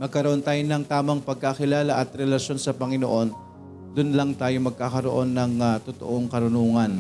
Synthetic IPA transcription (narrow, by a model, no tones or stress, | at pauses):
mɐɡ̚kɐɾoʔo̞nt̪aːjonɐŋt̪aːmɐŋpɐɡ̚kakɪlaːlaʔɐt̪ɾɛlɐʃjo̞nsɐpɐŋɪno̰ʔo̞n | d̪ʊnlɐŋt̪aːjomɐɡ̚kakɐɾo̞ʔo̞nːɐŋat̪ʊt̪o̰ʔo̞ŋkɐɾʊnuːŋɐn